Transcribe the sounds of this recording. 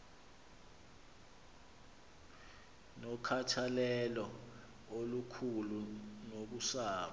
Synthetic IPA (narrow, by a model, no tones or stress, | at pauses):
nɔkʰatʰalɛlɔ | olukʰulunok̬usaːɓa